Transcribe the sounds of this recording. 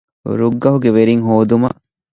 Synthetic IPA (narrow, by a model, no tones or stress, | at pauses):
ɾuɡːɐɦuɡeʋeɾiŋɦoːd̪umɐ̰ʔ